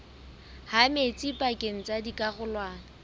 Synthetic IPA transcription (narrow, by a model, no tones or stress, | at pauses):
hamet͡sʼipʼakʼeŋ̩t͡sʼadikʼaχʊlwaːŋ̩